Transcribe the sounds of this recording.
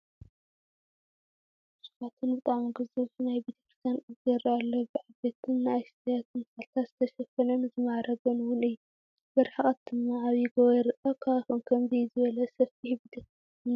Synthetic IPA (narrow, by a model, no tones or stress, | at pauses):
su̥fat̪ʰɨnbɨt̪ʼaʕmɡɨzuβnajbit̪ʰekɾt̪ʰanɨzɐɾalːobɨʕabet̪ʰɨnːajst̪ɐjat̪ɨnalt̪ʰazɨt̪ʰɐʃɐfɐlɐnzɨmaʕɾɐɡɐnwʊnɨjːu | bɐɾħakʼɐt̪ːɨmːaaβjiɡoɾɨʔʼɐkʰaaxonkʰɐmzizɨβɐlɐsɐffihβd̪ɐ | ɨn